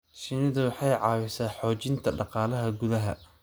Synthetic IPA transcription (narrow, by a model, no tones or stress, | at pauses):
ʃɪnɪðɐwɑħɑjʕɑːwɪsaːħɔːt͡ʃɪnt̪ʰɐɖɑqɑːlɐɦɐɡʊðɐɦɐ̰